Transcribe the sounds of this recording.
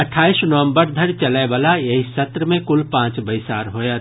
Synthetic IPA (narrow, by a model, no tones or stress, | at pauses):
ɐʈʰːaːisnəʋə̃mbəɾd̪ʱəɾt͡ʃəlabalajɐɦisət̪ɾəmẽkʊlpãːt͡ʃbəɪsaːɾɦoːja